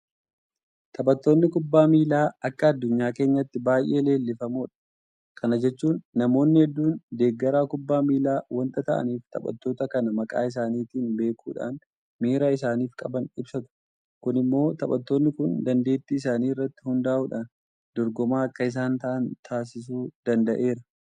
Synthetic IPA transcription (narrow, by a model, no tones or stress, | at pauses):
t̪ʰɐɓɐt̪ːo̞ːnːɪkʊbːaːmiːlaːɐkːɐɐd̪ːʊɲːaːke̞ːɲːɐt̪ːɪbaːjʔe̞ːle̞ːlːɪfɐmuːᶑɐ̥ | kʰɐnɐd͡ʒɛt͡ʃːuːnːɐmo̞ːnːɪhɛd̪ːuːnd̪e̞ːɡːɐɾaːkʊbːaːmiːlaːwɐnt̪ɐt̪ɐʔɐ̰niːft̪ɐ̰bʼɐ̰t̪ːo̞ːt̪ɐkɐnɐmɐkʼa̰ːɪs̬aːniːt̪iːnbe̞ːkʰṵːᶑa̰ːn | miːɾaːɪsaːniːfkʼɐbɐnɪbsɐt̪ʊ̥ | kʊnɪmːo̞ːt̪ɐpʼɐ̰t̪ːo̞ːnːɪkʊnd̪ɐnd̪e̞ːt̪ːiːɪsaːniːɪrːɐt̪ːɪ̥hʊnd̪aːʔuːᶑaːn | d̪̥ɔɾɡɔmaːkːɐɪs̬aːnt̪ɐʔɐnt̪ʰaːs̬ɪs̬uːd̪̥ɐnd̪ɐʔe̞ːɾɐ